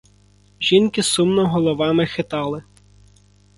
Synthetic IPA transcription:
ʒinkɪsumnɔɦɔlˠɔʋɑmɪxɪt̪ɑlˠɪ

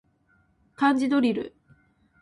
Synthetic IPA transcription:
kãɲd͡ʑid̪oɾʲiɾɯ̰

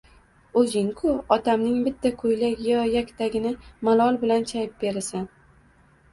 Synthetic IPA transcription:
ɵzɪŋkʰʊɒt̪ʰamnɪŋbɪt̪ʰːakʰojlaɡʲjɒjakʲt̪ʰaɡʲɪnɪmalˠɒlˠbɪlant͡ʃʰajɪp̚be̞ɾɪsɪn

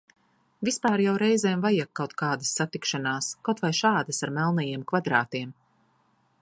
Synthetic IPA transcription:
vispaːɾjawɾɛjzɛːmvajakːawt̪kaːd̪asːat̪ikʃanaːskawt̪vajʃaːd̪ɐsaɾmɛlˠnɛjeɛmkvad̪ɾaːt̪iɛm

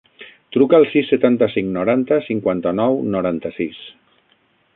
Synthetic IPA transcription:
t̪ɾukaːlˠsisːet̪ant̪əsiŋnoɾant̪əsiŋkwant̪ənɔwnoɾant̪əsis

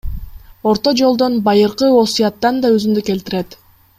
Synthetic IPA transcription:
o̞ɾt̪o̞d͡ʒo̞lˠd̪o̞nbɑjɯɾqɯo̞sujɑt̪ːɑnd̪ɑøzymd̪øke̞lt̪iɾet̪

